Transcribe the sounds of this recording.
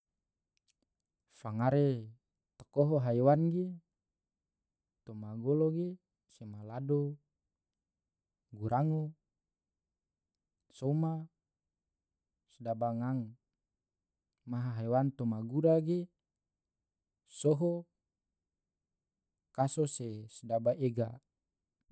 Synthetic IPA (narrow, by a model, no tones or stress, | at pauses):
faŋaɾe | t̪əkɔɦɔɦaewanɡe | t̪omaɡɔloɡe | semalado | ɡuɾaŋo | sɔma | sədabaŋaŋ | maɦaɦajwant̪ɔmaɡuɾaɡe | sɔɦɔ | kasɔsesədabaʔeɡa̰